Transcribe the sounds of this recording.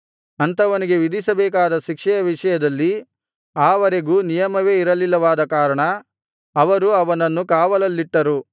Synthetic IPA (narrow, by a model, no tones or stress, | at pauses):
ɐnt̪ɐʋɐniɡe̞ʋid̪isɐbɛːk̬aːd̪ɐʃikʂɛjɐʋiʂɐjɐd̪ɐlːi | aːʋɐɾe̞ɡuːnijɐmɐʋe̞ːiɾɐlilːɐʋaːd̪ɐkaːɾɐɳɐː | ʋɐɾuɐʋɐnɐnːukaːʋɐlɐlːiʈːɐɾu